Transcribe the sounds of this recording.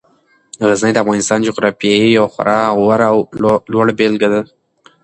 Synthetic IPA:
ɣəznəjd̪əafɣɑnɪst̪ɑnd͡ʒoɣɾɑfijɑijawxʊ̰ɾʔɑwaɾawlwaɽbelɡad̪a

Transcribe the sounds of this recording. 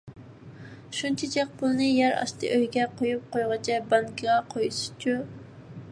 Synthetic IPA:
ʃunt͡ʃʰɛt͡ʃʰɛq̚pʊlˠnɨjæɾɑ̰ʃt̪ʰɨ̰ʔøjɡʲɛqʰojup̚qojʁɑt͡ʃʰɛbɑŋkʲʰɨʁɑqʰojsɨ̥t͡ʃʰu

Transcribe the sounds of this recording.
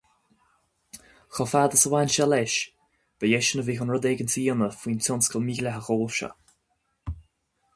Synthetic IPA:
xɔfaːd̪əsəwaːnʃɛlɛʃ | b̥əjɛʃənəviːxɔnɹɔdɛːɡənsiːnəfwiːntʰɔnskəlmiːɡlɛɦəxoːlfʃə̰

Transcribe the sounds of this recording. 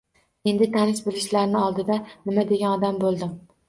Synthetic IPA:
e̞nd̪ɪt̪ʰanɪʃbɪlɪʃlaɾnɪɒlˠd̪ɪd̪anɪmad̪e̞ɡʲanɒd̪ambolˠd̪ɪm

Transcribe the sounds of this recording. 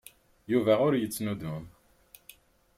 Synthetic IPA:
juvæʁʊɾjət͡sːnud̪um

